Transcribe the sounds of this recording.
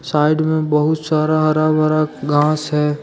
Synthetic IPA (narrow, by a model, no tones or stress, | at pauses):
saːɪɖmẽbəɦʊt̪saːɾaɦɐɾabaɾaɡãːsɦɛː